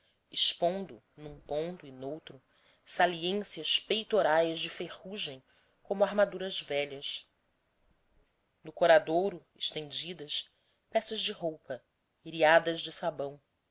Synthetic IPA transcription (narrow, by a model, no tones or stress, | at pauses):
ɪʃpõnd̪ʊ | nũpõnt̪ʊɪnowt̪ɾʊ | saliẽsjɐʃpejt̪oɾajzd͡ʒɪfeʁuʒẽj̃ | kõmʊaɾmad̪uɾɐzvɛʎɐs | nʊkoɾad̪oɾʊɪʃt̪ẽnd͡ʒid̪ɐʃ | pɛsɐzd͡ʒɪɦowpɐ | iɾiad̪ɐʒd͡ʒɪsabɐ̃w̃